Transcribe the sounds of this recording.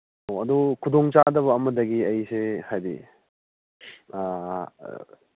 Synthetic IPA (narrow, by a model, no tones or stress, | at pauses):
oɐdukʰudoŋt͡ʃadɐβɐːmɐdɐɡiɐjsehajbḭ